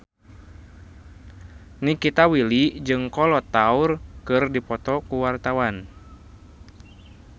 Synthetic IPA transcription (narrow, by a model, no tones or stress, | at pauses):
nikit̪awilid͡ʒɨŋkɔlɔt̪aurkɨrdipɔt̪ɔkuwart̪awan